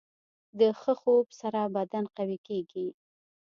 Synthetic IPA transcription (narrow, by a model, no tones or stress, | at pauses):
d̪əxəxobsaɾabad̪anqawikeɡi